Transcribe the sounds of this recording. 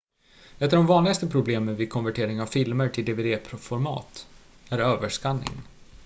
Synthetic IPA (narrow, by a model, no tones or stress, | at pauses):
ɛft̪əɖɔmvɑːnlɪɡast̪əpʰɾʊbleːmənvɪd̪̚kʰɔnvæʈʰeːɾɪŋavfɪlməɾʈʰɪld̪eːveːd̪eːpʰɾʊfɔɾmɑ̰ːt̪ | æɾøːvəʂkanːɪ̰ŋ